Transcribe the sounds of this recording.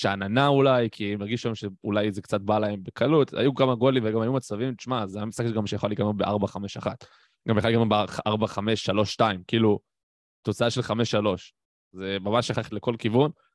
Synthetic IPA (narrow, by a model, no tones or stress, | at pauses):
ʃeananaulajkʰimaʁɡiʃuʃamemʃeulajzekt͡sat̪̚balae̞mbe̞kʰalut̪a̰jukamaɡo̞limveɡamajumat͡savimt̪t͡ʃmazeamisakɡamʃejaχalikamobeʔaʁbaχameʃaχat̪ | ɡambeχalikamobeaʁbaχameʃːalo̞ʃːtaimkiilu | t̪o̞t͡saaʃe̞lχameʃːalo̞ʃ | zemamaʃaχaχt̪leko̞lkivun